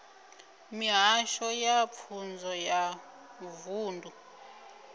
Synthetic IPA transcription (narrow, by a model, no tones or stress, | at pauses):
miɦaʃɔjap̪fʰund͡zʱɔja | vuːndʱu